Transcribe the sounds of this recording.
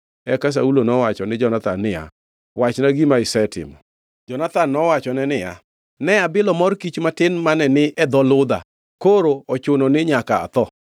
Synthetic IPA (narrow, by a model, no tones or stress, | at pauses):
ɛkas̬a̰ulonɔwat͡ʃɔnɪd͡ʒɔnat̪anːɪja̰ | wat͡ʃnaɡimaɪsɛtɪ̰mɔ̰ | d͡ʒɔnat̪anːɔwat͡ʃɔnɛnɪja̰ | nɛabɪlɔmɔrkit͡ʃmatɪnmanɛnɪʔɛd̪ɔlʊd̪a̰ | koɾoɔt͡ʃʊnonɪɲaka̰ːt̪ɔ